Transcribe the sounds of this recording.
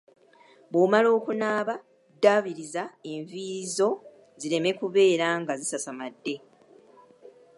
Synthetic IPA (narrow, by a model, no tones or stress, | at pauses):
βomalo̞ːkunaːβa | dːaβiɾizae̞ɱviːzo̞ | ziɾe̞me̞kuβe̞ːɾaŋɡazisasamadːe̞